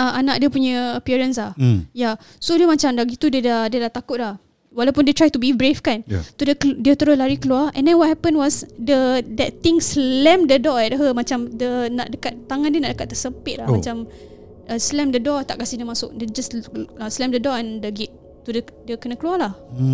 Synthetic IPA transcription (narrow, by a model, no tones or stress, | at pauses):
əanaʔdiəpuɲəəpiɹənslahja | sodiəmat͡ʃamdaɡit̪ːudiədadiədaht̪akʊt̪̚lah | walawpʊndiət̪ɾajt̪ubiibɹefkant̪udədiət̪əɾʊlaɾikəluaɛ̰̃ndɛnwɔt̚hɛpə̃nwɔsdədɛt̪̚t̪ĩŋslɛ̃mdədɔɛdəɦəmat͡ʃamdənaʔdəkat̪̚t̪aŋãndiənaʔdəkat̪̚ːəsəpɪt̪̚lahmat͡ʃam | əslɛmdədɔt̪aʔkasɪhdiəmasʊʔ̚dəd͡ʒasəslɛmdədɔɛ̃ndəɡiʔ̪ | t̪udədiəkənəkəlualah